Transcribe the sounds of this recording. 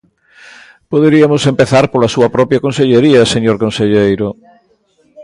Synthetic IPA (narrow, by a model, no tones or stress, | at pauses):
poðeɾiɐmʊsempeθaɾpolɐsuɐpɾɔpjɐkõnseʎeɾiɐseɲoɾkonseʎejɾʊ